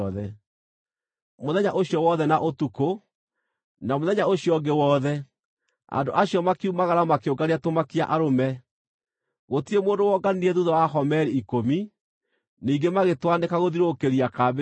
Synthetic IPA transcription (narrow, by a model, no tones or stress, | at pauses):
ðɛ | moðɛɲaʔoɕjɔwɔːðɛnaʔotuko | namoðɛɲaoɕijɔɡewɔːðɛ | a̰ndoʔaɕjɔmakiumaɣaɾamakeoɡaɾeatomakia̰ʔaɾomɛ | ɣotiemoːndowɔɡaniiɛðuðɔwaɦɔmɛɾeikomi | niːɡemaɣetwanekaɣoðiɾokeɾiakab